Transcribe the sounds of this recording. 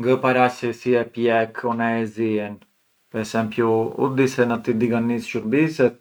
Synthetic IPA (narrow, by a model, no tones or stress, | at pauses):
ŋɡəpaɾasɛsiɛpjɛkʰɔnaɛziɛn | pɛsɛmpjuṵd̪isɛnat̪id̪iɡanisʃuɾbisɛt̪̚